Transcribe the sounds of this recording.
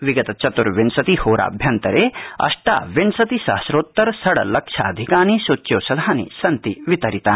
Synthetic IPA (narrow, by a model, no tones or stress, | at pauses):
ʋiɡɐt̪ɐt͡ʃɐt̪uɾʋinsɐt̪ihoːɾa̰ːbʱjɐnt̪ɐɾeːɐ̰ʂʈa̰ːʋinsɐt̪isa̰ːsɾoːt̪ːɐɾsɐɽɐ̰lɐkʂʰa̰ːd̪ʱikaːnisot͡ʃːjoːsɐd̪ʱaːnḭsɐnt̪iʋit̪ɐɾit̪aː